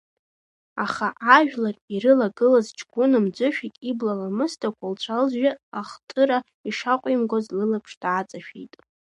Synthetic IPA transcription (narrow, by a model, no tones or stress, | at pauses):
aχaʔaʒᶣlariɾɨlaɡɨlazt͡ʃʰʼɡʷʊnɨmd͡zʷʊʃᶣitʼiblalamɨstʰakʷʰalt͡ɕʷʰalʒᶣɪaχtʼɨɾa | iʂaqʷʼimɡozlɨlapʰʂd̥at͡sʼaʃᶣḭjtʼ